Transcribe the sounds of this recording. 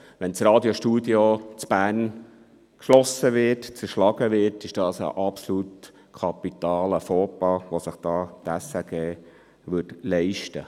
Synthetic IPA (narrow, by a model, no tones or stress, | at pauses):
ʋɛnt͡srɑːd̪joʃtuːd̪iot͡sb̥æːn | kʃlɔsəʋɪɾtt͡səɾʃlɑɡəʋɪtɪʃd̥ɑːsə̰ʔɑpsolut̪ | kʰɑpːit̪ɑːləfoːpɑʋosəχd̥ɑːd̥æsəɡ̥ɛː | ʋʏtlɛɪʃtə